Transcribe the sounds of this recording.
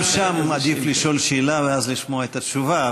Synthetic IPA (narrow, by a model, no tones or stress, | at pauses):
ʃamːad̪ifliʃo̞lʃeːlaveazliʃmoaet̪at̪t͡ʃuva